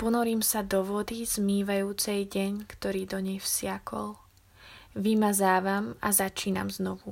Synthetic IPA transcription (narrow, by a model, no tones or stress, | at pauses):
pɔnɔɾiːmsad̪ɔʋɔd̪iz̥miːʋajuːt͡sɛjɟɛɲkt̪ɔɾiːd̪ɔɲɛjfsɪakʰɔ̰l | ʋimazaːʋama̰zat͡ʃiːna̰mznɔʋu